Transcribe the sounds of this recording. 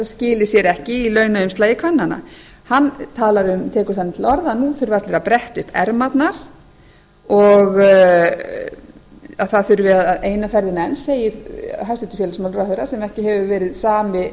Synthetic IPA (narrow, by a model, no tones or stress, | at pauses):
scɪːlɪsjɛɾɛhcɪilœːɥnaʏmst̪aːjɪkʰvanːana̰ | hanːt̪ʰaːlaɾʏmt̪ʰɛːkʏɾ̥θanːɪt̪ʰɪlɔɾðanuθʏɾvat̪lɪɾapɾɛht̪ʏhpɛ̰ɾmat̪naɾ̥ | ɔɣ | aðθaðθʏɾvɪaðaðeːjnafɛɾðɪnɛnseːjɪɾɦast̪ɪt̪ʏ̥fɛːlasmawlʏɾaθejɾasɛmɛhcɪɦɛvʏvɛːɾɪðsaːmɪ